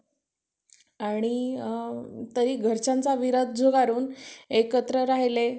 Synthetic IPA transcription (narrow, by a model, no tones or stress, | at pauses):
aɽ̃i | t̪əɾiːɡʱəɾt͡ɕant͡saʋiɾəd̪̚ʱd͡zoɡaɾuːnekət̪ɾəɾaɦle